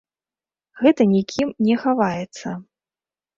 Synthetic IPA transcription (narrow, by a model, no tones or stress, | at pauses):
ɣɛt̪ɐnʲikʲʰimnʲɛxavajɛt̪sːɐ